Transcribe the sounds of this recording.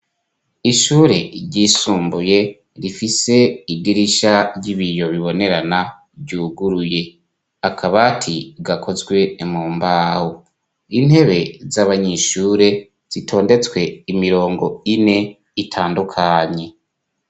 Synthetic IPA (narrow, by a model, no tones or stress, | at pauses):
iʃuːɾe̞ɾɟisuːmbuje̞ | ɾifise̞iɡiɾiʃaɟiβijo̞βiβo̞ne̞ɾana | ɟuːɡuɾuje̞ | akʰaβatʰiɡakʰo̞zɡwe̞muːmbaːho | in̥he̞βe̞zaβaɲeʃuːɾe̞ | z̥itʰo̞ːnde̞t͡swe̞imiɾo̞ːŋɡo̞ine̞ | itʰaːndukʰaɲe̞